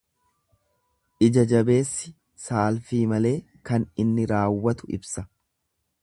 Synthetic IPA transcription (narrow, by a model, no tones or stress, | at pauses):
ʔɪd͡ʒɐd͡ʒɐbe̞ːsːɪ | saːlfiːmɐle̞ː | kɐnɪnːɪɾaːwːɐt̪ʊɪ̰bsɐ